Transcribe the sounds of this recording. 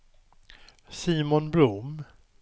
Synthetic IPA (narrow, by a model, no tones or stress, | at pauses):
siːmɔnbɾʊm